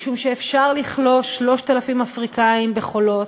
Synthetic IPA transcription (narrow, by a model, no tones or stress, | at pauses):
ʃumʃeːfʃaʁliχlo̞ʃlo̞ʃt̪alafimafʁikaimbeχo̞lo̞t